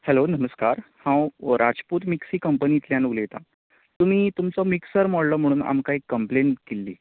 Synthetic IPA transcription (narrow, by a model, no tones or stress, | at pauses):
hɛlonəməskaɾhãwɾʔad͡zpuːt̪miksiːkəmpəniːt̪ljanuɡlejt̪a̰ | t̪ːum̤iːt̪umt͡sɔmiksəɾmɔɽlɔm̤əɽ̃uːna̰mkaikːəmpleɳʈkelːḭː